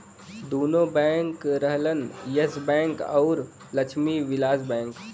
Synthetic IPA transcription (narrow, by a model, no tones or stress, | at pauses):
d̪oːnõbɛ̃ːŋkɾəɦlənjəsbɛ̃ːŋkɔːɾ | lɐt͡ʃʰmiʋɪlaːzbɛ̃ːŋk